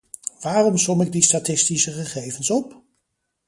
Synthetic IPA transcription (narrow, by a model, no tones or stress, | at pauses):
ʋaːrɔmsɔmɪɡ̚distatɪstisəχəχejvənsɔp